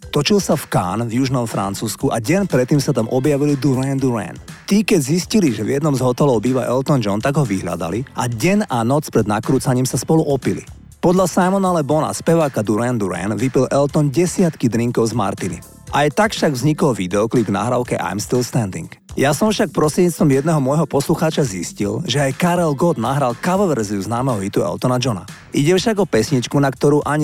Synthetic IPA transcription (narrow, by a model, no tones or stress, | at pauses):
t̪ɔt͡ʃilsafka̰ːnvjuʒnɔmfɾa̰nt͡suːskuʔaɟɛnpɾɛt̪ːiːmsat̪amʔɔbjaʋilid̪uɾɛnd̪uɾɛ̰nt̪ikɛɟzisciliʒɛvjɛd̪nɔmzɦɔt̪ɛlɔʊbiːʋaʔɛlt̪ɔnd͡ʒɔnt̪aɡɦɔʋiɦʎa̰d̪a̰liʔaɟɛɲʔanɔt͡spɾɛd̪nakɾuːt͡saɲiːmsaspɔluʔɔpilḭ | pɔd̪ʎasajmɔnalɛbɔna̰spɛʋaːkad̪uɾɛnd̪uɾɛ̰nʋipilʔɛlt̪ɔnɟɛsɪat̪kid̪ɾiŋkɔʊzma̰ɾt̪inḭ | ʔajt̪akfʃaɡvzɲikɔlʋid̪ɛɔkliɡvna̰ɦɾaʊkɛʔa̰jmst̪ilst̪and̪ḭŋkjasɔɱfʃak̚pɾɔsɾiɛɲiːt͡st̪ʋɔmjɛd̪nɛɦɔmɔjɦɔpɔsluxaːt͡ʃaziscḭlʒɛajkaɾɛlɡɔd̪naɦɾalkaʋɔʋɛɾziuznaːmɛɦɔɦit̪uɛ̰lt̪ɔnad͡ʒɔna̰ | ʔiɟɛfʃaɡɔpɛsɲit͡ʃkunakt̪ɔɾuːʔaɲi